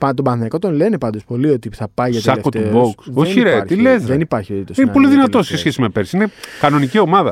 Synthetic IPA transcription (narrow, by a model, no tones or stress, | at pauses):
pɐt̪obɐnθiɐko̞t̪o̞nle̞nepɐnd̪o̞spo̞lio̞t̪iθɐpɐjʝɐtseɐlefkot̪t̪ueboksðoçiɾeɾt̪ilezðenipɐɾçioðit̪osinepo̞liðinɐt̪o̞ssesçesimepeɾsinekɐno̞nicio̞mɐðɐ̰